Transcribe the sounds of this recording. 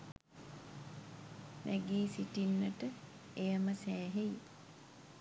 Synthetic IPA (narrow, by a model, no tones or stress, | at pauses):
mʔæɡeːsiʈinːəʈə | ejəməsæːɦej